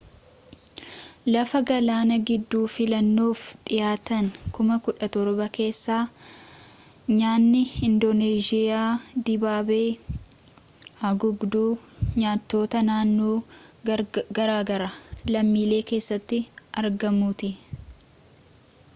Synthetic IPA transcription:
lɐfɐɡɐlaːnɐɡɪd̪ːuːfɪlɐnːoːfᶑɪjaːt̪ɐŋkʊmɐkʊᶑɐt̪ɔɾbɐke̞ːsːaː | ɲaːnːɪɪnd̪oneːd͡ʒɪjaːd̪ɪbaːbe̞ː | hɐɡʊɡd̪uːɲaːt̪ːo̞ːt̪ɐnaːnːoː | ɡɐɾaːɡɐɾɐlɐmːiːle̞ːke̞ːsːɐt̪ːɪʔɐɾɡɐmuːt̪ɪ

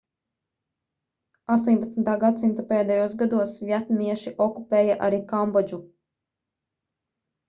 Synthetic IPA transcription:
ast̪uɔːɲʲpat̪snt̪aːɡad̪simt̪upɛːd̪ɛjuɔsɡad̪uɔsvʲjɛt̪niɛʃiʔɔkupɛːjaʔa̰ɾiːkambɔd͡ʒu

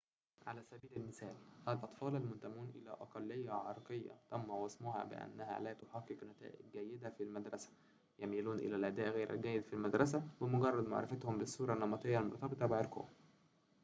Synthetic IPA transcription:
ʕalæːsæbiːlælmɪsæːlʔælʔɑt̪ˤfɑːlælmʊnt̪æmuːnʔɪ̰læ̰ʔɑqɑlːejːæʕɑɾˤɑqejːɑ̰t̪æmːæwɑsmʊɦɑ̰bɪ̰ʔæ̰nːæɦæ̰læːt̪ʊħɑqːeqnæt̪æ̰ːʔɪɡ̚ːæjːɪd̪æfilmæd̪ɾˤɑsæ̥ | jæmiluːnʔɪ̰lælʔæd̪æːʔɣæːɾæ̰lɡæːjːɪd̪filmæd̪ɾˤɑs̬æbɪmʊɡɑrˤːɑd̪ma̰ʕɾɪ̰fæt̪hʊmbɪsːuːɾˤɑnːɑmɑt̪ˤejːɑlmoɾˤt̪ɑbet̪ˤɑbɪʕɑɾqo̰hm

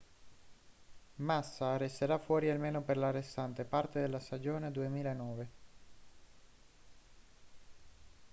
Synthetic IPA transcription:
masːarest̪eɾafːwɔːɾialmeːnoperlarːest̪ant̪epart̪ed̪elːast̪ad͡ʒoːned̪uemiːlaenɔːve

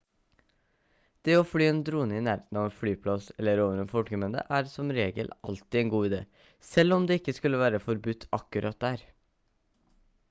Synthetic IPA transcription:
d̪̥eːoːflyːeːnd̪ɾuːnəɪnæːɾət̪nɑːʋfɽyːpʰlɑsɛlːəɾoːʋənɛnfɔlʈkəmɛnd̪ə̰ʔæːɾsɔmɾeːɡəlʔɑ̰lt̪ɪeːnɡuːɪd̪ḛː | sɛlːɔmd̪eːɪkːəskʉləʋæːɾəfɔɾbʉt̪ʰːɑkːʉɾʔɑt̪̚d̪æːɾ

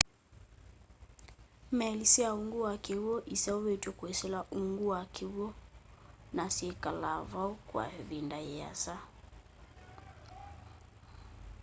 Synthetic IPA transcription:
mɛlisijauŋɡuwakewoʔisauwetokuesɛlaʔuŋɡuwakiwo | nasiekalavaukwa̰vindajɛa̰sa

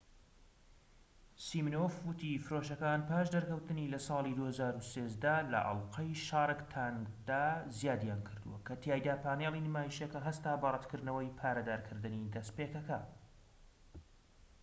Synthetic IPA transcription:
simnofwʊt̪ifɨɾoʃɐkanpaːʃd̪ɐɾkɐwt̪ɨnilɐsɑːlˠid̪uːhɐzaːɾuseːzd̪ɐlɐ̰ʔɐ̰lˠqɐjʃaːɾˤɨkt̪ʰand̪aːzijaːd̪jaːnkʰɨɾd̪ṵwɐkʰɐt̪ʰjaːjd̪aːpaːnelˠinɨmaːjiʃjɐkɐɦɐst̪aːbɐrˤɐt̪kʰɨɾd̪nɐwɐjpʰaːɾɐd̪aːɾkʰɨɾd̪ɨnid̪ɐspeːkɐkɐ

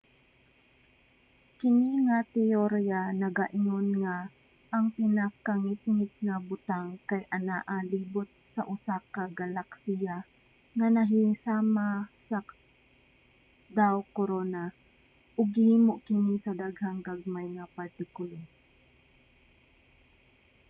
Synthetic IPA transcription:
kɪniŋat̪ɪoɾjanɐɡaʔɪŋonŋa | ʔːŋpɪnakaŋɪt̪̚ŋɪt̪̚ŋabʊt̪aŋkajʔɐnaʔaliːbʊt̪̚sɐ̰ʔʊsakaɡalaksija | ŋɐnɐɦisaːmasɐ | d̪awkoɾona | ʔʊɡɪhiːmoʔkɪnisɐd̪aɡhaŋɡaɡ̚majŋɐpɐɾt̪ɪkʊlo

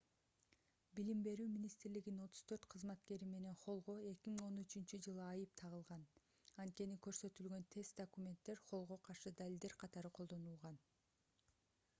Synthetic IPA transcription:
bilimbe̞ɾyːmʲinist̪ɾliɡino̞t̪ʰu̥z̥t̪ʰø̞ɾt̪qʰɯzmɑt̪ke̞ɾime̞ne̞nχo̞lˠʁo̞e̞kʲimiŋo̞nyt͡ʃynt͡ʃyd͡ʒɯlˠɯɑjɯp̚t̪ʰɑʁɯlˠʁɑn | ɑnt̪̚ke̞nikø̞ɾsø̞t̪ylɡø̞nt̪ʰe̞st̪d̪okumʲe̞nt̪ːe̞ɾχo̞lˠʁo̞qʰɑɾʃɯd̪alʲild̪e̞ɾqʰɑt̪ɑɾɯqʰo̞lˠd̪o̞nulˠʁɑn

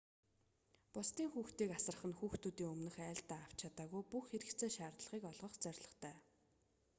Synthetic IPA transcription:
pʊst̪iːŋxuːxt̪iːkasə̆rə̆χə̆nxuːxt̪uːt̪iːŋɵmnɵ̆xæːɬt̪aːaw̥t͡ɕʰat̪aːɣujpuxxeɾɘ̆kt͡sʰeːʃaːrt̪ɮə̆ʁiːkɔɮʁɞ̆χt͡sœrʲɮə̆χt̪ʰæː

